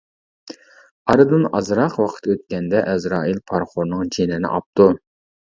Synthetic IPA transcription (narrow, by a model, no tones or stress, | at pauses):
ɑɾɨd̪ɨnɑ̰zɾɑqwɑqʰə̥t̪øt̪̚kʲɛnd̪ɛʔɛzɾɑːilpʰɑɾχoɾnɨŋd͡ʒenɪnɪ̰ʔɑp̚t̪u